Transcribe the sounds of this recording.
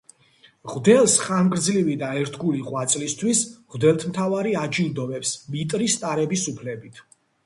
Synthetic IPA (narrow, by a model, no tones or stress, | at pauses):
ʁd̪ɛlˠsχamkʼɾd̪zlivid̪aɛɾt̪ʰɡuliʁwat̪sʼlist̪ʰwisʁwd̪ɛlˠt̪ʰmt̪ʰavaɾiad͡ʒild̪ɔvɛpsmit̪ʼɾist̪ʼaɾɛbisupʰlɛbit̪ʰ